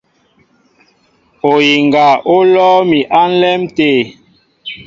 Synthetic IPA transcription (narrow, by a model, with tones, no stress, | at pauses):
o˨ji˨ŋɡa˨ʔo˦lɔː˦mi˨ʔa˦n̩˦lɛ˦mteː˨